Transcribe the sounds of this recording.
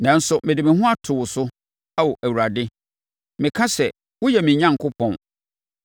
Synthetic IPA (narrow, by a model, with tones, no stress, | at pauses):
nã˨˦n̩˦sʊ˨mɪ̃˨dɪ˨mɪ̃˨ɦʊ̃˦a˦tʰʊ˨wʊ˨sʊ˦ | a˦wɔ˨ʔæ˨wu˨a˨dɪ˦ | mɪ̃˨kʰã˦sɛ˨ | wʊ˦jɛ˨mɪ̃˨ɲã˦ŋ˨kʰʊ˦pʰɔ̃˨n